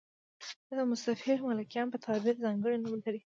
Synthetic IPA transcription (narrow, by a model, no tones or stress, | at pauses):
d̪ad̪əmʊsafɪɾmalakjɑnpət̪ʰɑbɪɾzɑŋɡəɽinulaɾi